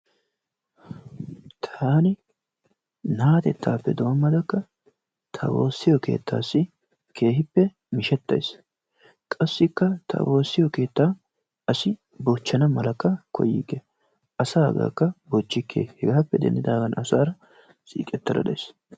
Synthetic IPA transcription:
t̪ʰaːnɪ | naːt̪ɛt̪ːaːpːɛd̪oːmːɐd̪ɐkːɐ | t̪ʰɐ̰wo̞̰ːsːɪjɔke̞̰ːt̪ːa̰ːsːɪ | kʰe̞ːɦɪpːɛ | mɪʃɛt̪ːɐ̰js | kʼɐsːɪkːɐt̪ʰɐ̰wo̞ːsːɪjɔke̞ːt̪ːaː | ɐsɪ | bot͡ʃːɐnɐmɐlɐkːɐkʰɔ̰jḭːkːɛ | ɐsaːɐɡa̰ːkːɐbot͡ʃːɪkʰːḛːhɛɡaːpːɛd̪ɛ̰nd̪ɪd̪aːɡɐnʔɐsaːɾɐ | sʼḭːkʼɛt̪ːɐɾɐ̰d̪ɐ̰js

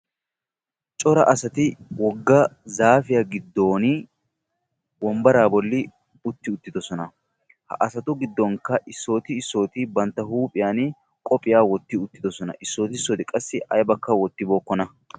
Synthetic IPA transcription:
t͡ʃʼɔɾɐʔɐsɐt̪ɪwɔɡːɐzaːfɪjaɡɪd̪ːo̞ːn | bɔmbɐɾaːbɔlːɪ | ʊt̪ːɪʊt̪ːɪd̪ɔsɔnɐ | hɐ̰ʔɐsɐt̪ʊɡɪd̪ːɔŋkːɐʔɪsːo̞ːt̪ɪːsːo̞ːt̪ɪbɐnt̪ːɐhuːpʼɪjaːn | kʼɔpʼɪjaːwɔt̪ːɪʊt̪ːɪd̪ɔsɔnɐ̰ʔɪsːo̞ːt̪ɪɪsːoːt̪ɪkʼɐsːɪʔɐjbɐkːɐwɔt̪ːɪbo̞ːkːɔnɐ

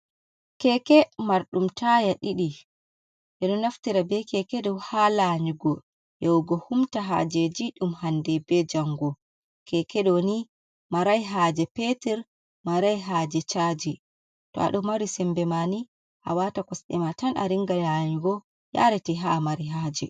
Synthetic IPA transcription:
kɛkɛmaɾɗumtʰajaɗiɗi | ʔɛɗɔnaftiɾabɛkɛkɛdɔwhalaɲuɡɔ | jɔwɡɔhumtaɦa̰d͡ʒed͡ʒiɗumhandɛbɛd͡ʒaŋɡɔ | kʰɛkɛɗɔni | maɾajɦad͡ʒɛpetɛɾ | maɾajɦaːd͡ʒɛt͡ʃad͡ʒi | tɔa̰ɗɔmaɾisɛmbɛmani | ʔa̰watakɔsɗɛ̰matanʔa̰ɾiŋɡalaɲuɡɔ | ja̰ɾɛtiɦamaɾiɦaːd͡ʒɛ

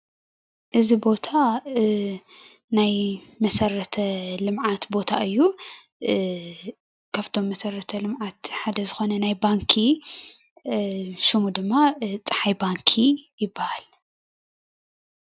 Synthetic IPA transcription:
ʔɨzibo̞t̪ʰa | najmɐsɐɾɐt̪ʰɐlɨmʕat̪bo̞t̪ʰa̰ʔɨjːu | kʰaβt̪ʰo̞mːɐsɐɾɐt̪ʰɐlɨmʕat̪ħad̪ɐzɨxo̞nɐnajbaŋkʰi | ʃɨmud̪ɨmːat͡sʼħajbaŋkʰijɪbːahal

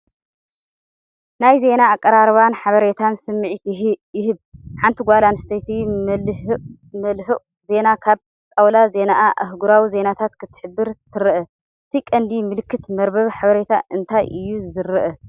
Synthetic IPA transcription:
najze̞naːkʼːɐɾaɾβanħaβɐɾe̞t̪ʰansɨmːɨʕit̪jɪɦɨβħant̪ʰiɡʷalanɨst̪ʰet̪ʰi | mɐlħɨʔʼ | ze̞nakʰaβ | t̪ʼawlaze̞naʔaʔɐ̰ɦɡuɾawize̞nat̪ʰat̪kʰɨt̪ʰːɨ̥ħɨbːɨɾt̪ʰɨɾɨʔɐ | ɨt̪ʰikʼɐnd̪imɨlɨkːɨt̪mɐɾbɐβħaβɐɾe̞t̪ʰa̰ʔɨnt̪ʰajʔɨjːuzɨɾɨʔɐ

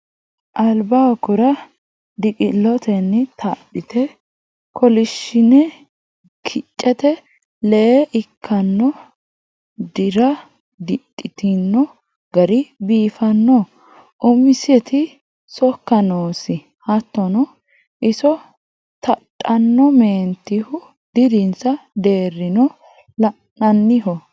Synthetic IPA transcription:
ʔɐlbaːkʊɾɐ | d̪ɪkʼɪlɔt̪ɛnːɪt̪ʰɐɗɪt̪ɛ | kʰɔlɪʃːɪnɛ | kʰɪt͡ʃʼːɛt̪ɛ | lɛʔɪkʰːɐnːɔ | d̪ɪɾɐ | d̪ɪtʼːɪt̪ɪnːɔ | ɡɐɾɪbiːfɐnːɔ | ʊmɪsɛt̪ʰɪ | sɔkːɐnoːsɪ | hɐt̪ːɔnɔ | ʔɪsɔ | t̪ɐtʼːɐnːɔmeːnt̪ːɪhʊ | d̪̥ɪɾɪnsɐd̪e̞ːrːɪnɔ | lɐ | ɐnːɪɦɔ

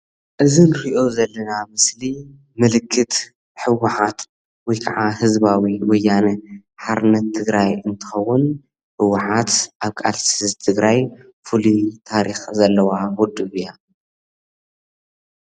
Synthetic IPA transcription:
ʔɨzinɨɾiʔo̞zɐlːɐnamɨsli | mɨlɨkʰːɨt̪ | ħɨwːʊħat̪ | wɔjkʰaʕahɨzbawiwɔjːanɨ | ħaɾnɐt̪ʰːɨɡɾajɨnt̪ʰɨ̥xɐwːʊn | ħɨwːʊħat̪ʔaβkʼalsɨzzt̪ʰɨɡɾaj | fulit̪ʰaɾixzɐlːɐwawʊd̪ɨβja

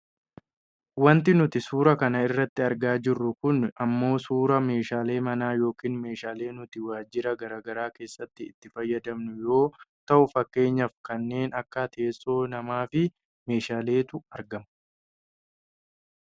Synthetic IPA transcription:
wɐnt̪ɪnʊt̪ɪsuːɾɐkɐnɐɪrːɐt̪ːɪɐɾɡaːd͡ʒɪrːʊkʊnɐmːo̞ːsuːɾɐme̞ːʃaːle̞ːmɐnaːjo̞ːkiːnme̞ːʃaːle̞ːnʊt̪ɪwaːd͡ʒɪɾɐɡɐɾaːɡɐɾaːke̞ːsːɐt̪ːɪ̰ːt̪ːɪfɐjːɐd̪ɐmnʊjo̞ːt̪ɐʔʊfɐkːe̞ːɲːɐfkɐnːe̞ːnɐkːɐt̪ʰeːsʼːo̞ːnɐmaːfɪ | me̞ːʃaːle̞ːt̪ʊɐɾɡɐm

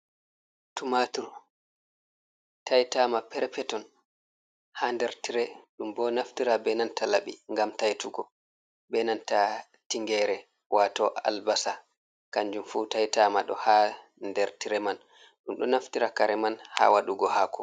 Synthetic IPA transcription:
tumatuɾ | tʰajtaːmapɛɾɛpɛtɔn | haːndɛɾtiɾɛɗumbɔnaftiɾabɛnantʰalaɓiŋɡamtajtuɡɔ | bɛnanta | tiŋɡɛɾɛ | wʔatɔʔa̰lbasa | kaɲd͡ʒumfuːtajtaːmaɗɔ̰ha | ndɛɾtiɾɛman | ɗumɗɔnaftiɾakaɾɛmanha̰ːwaɗuɡɔhakʰɔ

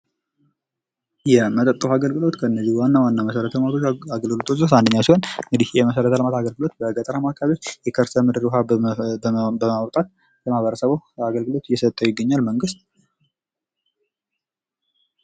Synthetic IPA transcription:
jɛmət̪ʼət̪ʼːufaɡəlɡɨlo̞t̪kʰəɨnːəzːiwanːawanːaməsəɾət̪ʰəmat̪ʰoaɡəlɡɨlot̪ʰozot̪and̪əɲːawsihonŋɡɨd̪ihjɛməsəɾət̪ʰaləmat̪aɡəlɡɨlo̞t̪̚bəɡət̪ʼəɾamakʰːaβiot͡ʃːjɛkʰəɾsəmɨd̪ɨɾuɦa | bəmawt̪ʼat̪̚ | lʰəmaβəɾəsəβoaɡəlɡɨlo̞t̪ɪjːɛsət̪ʼːəwjɪɡːəɲːalməŋɡɨst̪̚

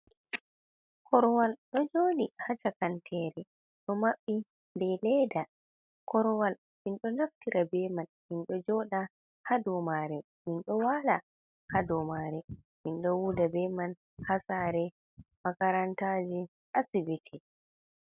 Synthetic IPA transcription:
kʰɔɾwalɗɔd͡ʒoːnihat͡ʃakantʰɛɾɛ | ɗɔmaɓːi | mbɛlɛda | kɔɾɔwal | minɗɔnaftiɾʔabɛman | minɗɔd͡ʒɔɗa | hadɔmaɾɛ | minɗɔwala | hadɔmaɾɛ | minɗɔwudabɛman | hasaɾɛ | makaɾantad͡ʒi | ʔasibitʰɛ

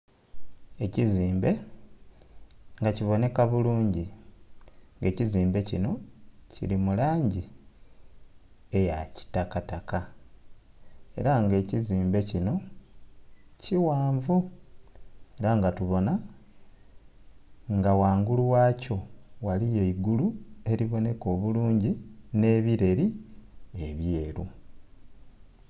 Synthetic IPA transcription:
e̞ciziːmbe̞ | ŋɡaciβo̞ne̞kaβuluːɲɟi | ŋɡe̞ːciziːmbe̞cino̞cḭlimulaːɲɟi | e̞jaci̥takataka | e̞̰ɾaŋɡe̞ːciziːmbe̞cino̞ | ciwaːɱvu | eɾaŋɡatuβo̞na | ŋɡawaːŋɡuluwaːco̞walije̞iɡulue̞ɾiβo̞ne̞ko̞ːβuluːɲɟine̞ːβiɾe̞ɾi | e̞βje̞ːɾu

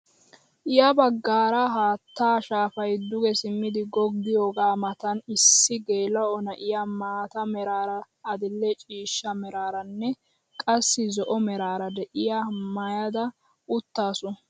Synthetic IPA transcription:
ʔɪjɐbɐɡːaːɾɐɦaːt̪ːaːʃaːfɐjd̪ʊɡɛsɪmːɪd̪ɪɡɔɡːɪjo̞ːɡaːmɐt̪ɐnɪsːɪɡeːlɐɔnɐʔɪjamaːt̪ɐmɛɾaːɾɐː | d̪ɪlːɛt͡ʃʼiːʃːɐmɛɾaːɾɐnːɛ | kʼɐsːɪzɔʔɔmɛɾaːɾɐd̪ɛʔɪjamɐjɐd̪ɐ | ʊt̪ːaːsʊ

